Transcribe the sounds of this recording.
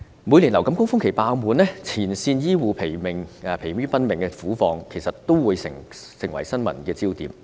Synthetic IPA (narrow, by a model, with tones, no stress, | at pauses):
muː˨˧jli˨˩nlɐ˨˩wkɐ˨˥mkʊ˥ŋfʊ˥ŋkʰe˨˩jpaː˧wmuː˨˧nlɛː˥t͡sʰiː˨˩nsiː˧njiː˥wuː˨˧pʰe˨˩jmɪ˨˩ŋɐ˨pʰe˨˩jɥyː˥pɐ˥nmɪ˨˩ŋkɛ˧fuː˨˥fɔː˨˧ŋkʰe˨˩jsɐ˨t̚t̪o˥wwuː˨˧jsɪ˨˩ŋsɪ˨˩ŋwɐ̰˨˩jsɐ˥nmɐ̰˨˩nkɛː˧t͡siː˥wt̪iː˨˧m